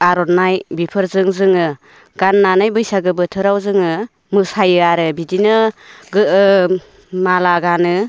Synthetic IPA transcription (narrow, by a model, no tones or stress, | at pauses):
aɾɔnajbipʰɯɾzɯŋzɯŋɯ | ɡ̥anːanajbɯjsaɡɯbɯtʰɯɾawzɯŋɯ | mɯsajɯaɾɯbidinɯɡɯɯ | malaɡanɯ